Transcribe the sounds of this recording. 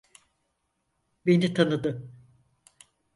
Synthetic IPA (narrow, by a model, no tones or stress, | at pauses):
benit̪ʰanɯd̪ɯ